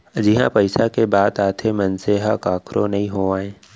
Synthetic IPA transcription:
d͡ʒɪɦã̰pəɪsakebaːd̪aːt̪ʰemənseːɦakaːkʰɾʔonɐɦĩɦoaːẽː

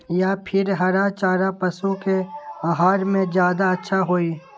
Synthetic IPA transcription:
japʰɪɾɦɐɾat͡ʃaːɾapɐsukeaɦaːɾmẽzjaːd̪aɐtːʃʰaɦoːiː

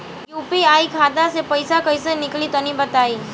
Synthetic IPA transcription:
juːpiaːikʰaːd̪asepɐɪsakɐɪsenɪklit̪ɐnĩbɐt̪aːiː

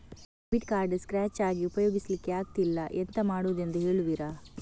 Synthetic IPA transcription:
biʈkaːɾɖskɾaːt͡ʃaːɡiupɐjo̞ːɡislikːeaːɡ̚t̪ilːɐʔent̪ɐmaːɽuʋd̪e̞nd̪uɦe̞ːɭuʋiɾɐ

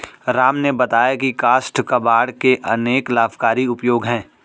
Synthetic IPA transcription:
ɾaːmnebɐt̪aːjakikaːsʈkɐbaːɽkeʔɐneːklaːfkaːɾiʊpjoːɡɦɛ̃ː

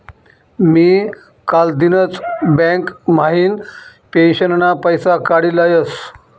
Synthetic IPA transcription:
miː | kald̪inət͡sbɛ̃kmaɦiːnpenɕənnapəjsakaɽilajəs

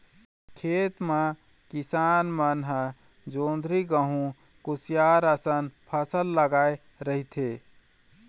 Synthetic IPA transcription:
kʰeːt̪ma | kɪsaːnmənɦə | d͡ʒoːnd̪ʱɾiɡəɦũ | kʊsijaːɾəsənpʰəsəlːəɡaːe | ɾəɦit̪ʰeː

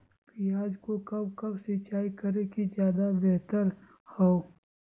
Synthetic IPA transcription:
pijaːd͡ʒkokɐbkɐbsɪt͡ʃaːikɐɾekizjaːd̪abɛɦt̪əɾ | hoo

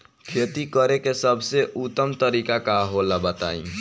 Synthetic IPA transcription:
kʰet̪ikəɾekesəbʱseʔut̪ːəmt̪əɾikakaɦolabət̪a̰ḭ̃

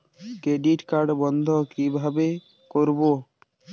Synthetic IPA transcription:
kɾeɖiʈkaɾɖbɔnd̪ʱɔkibʱabe | koɾbo

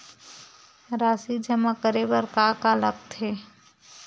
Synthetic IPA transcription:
ɾaːsid͡ʒəmakəɾebəɾkakalək̚t̪ɦe

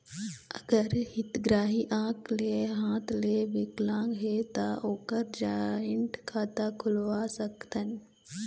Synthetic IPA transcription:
ɐɡəɾhɪt̪ɡɾaːɦiʔãːkleɦãːt̪ʰleːʋɪklãːŋɡɦet̪aʔoːkəɾd͡ʒaːɪɳʈkʰaːt̪akʰʊlʋasəkt̪ənɪ̆

